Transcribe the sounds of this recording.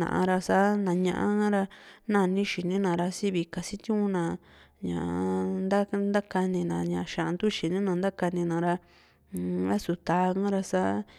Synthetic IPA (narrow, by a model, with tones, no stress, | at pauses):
nã̰˨ʔa̰˧ɾa˧sa˦nã˨ɲã̰˧ʔã˦ã˦ɾa˧nã˧˨˧nĩ˦ʃi˨nĩ˦nã˨ɾa˧si˦βi˨ka˨si˦t̪ũ˦ũ˦nã˨ | ɲã̰˨ʔnd̪a˦nd̪a˦ka˧nĩ˧nã˧ɲã˨˧ʃã˨˧nd̪u˦ʃi˨nĩ˦nã˧nd̪a˦ka˧nĩ˧nã˨ɾa˧ | βa˦su˧t̪aː˨˧ŋã˦ɾa˧sa˦